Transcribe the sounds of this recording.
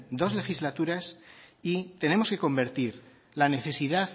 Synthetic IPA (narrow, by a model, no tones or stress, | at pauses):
d̪o̞zle̞xizlat̪uɾasit̪e̞ne̞mo̞ske̞ko̞mbe̞ɾt̪iɾ | lane̞θe̞siðað